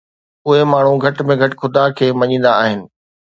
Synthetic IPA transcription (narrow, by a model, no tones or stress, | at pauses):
ʊɦemaːɳ̤ũɡʱɐʈmẽɡʱɐʈ̆xʊd̪akʰeːmɐɲĩːnd̪aːɦɪnɪ̆